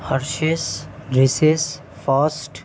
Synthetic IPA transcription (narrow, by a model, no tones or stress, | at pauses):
həɾʃesɾises | fʰasʈ